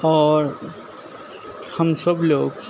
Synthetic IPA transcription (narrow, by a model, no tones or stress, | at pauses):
ɔːɾ | həmsəbloːɡ